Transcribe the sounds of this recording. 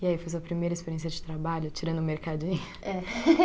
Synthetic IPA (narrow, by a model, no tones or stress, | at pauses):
ɪaifojs̬uɐpɾimejɾɐispeɾiẽsiɐd͡ʒɪt̪ɾabaʎʊt͡ʃiɾɐ̃nd̪ʊmeɾkad͡ʒĩɲʊɛ